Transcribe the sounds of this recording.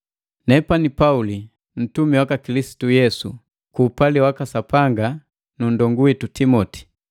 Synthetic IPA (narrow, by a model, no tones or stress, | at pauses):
nɛpanipauli | n̩tumiwakakilisi̥tujɛsṵ | kuːpaliwakasapaŋɡa | nun̩dɔŋɡuwitutimɔti̥